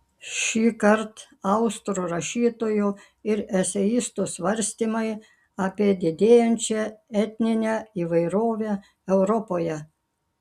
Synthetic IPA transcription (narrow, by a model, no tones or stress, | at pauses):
ʃʲiːkɐɾt̪ | ɐʊst̪ɾuɾɐʃʲiːt̪oːju | ɪɾɛsʲɛjɪst̪usʋɐɾʲsʲt̪ʲiːmɐɪ | ɑpʲiɛd̪ʲɪd̪ʲeːjɛnʲt͡ʃʲɛɛt̪ʲnʲɪnʲɛiːʋɐɪɾoːʋʲe | ɛʊɾɔpoːjɛ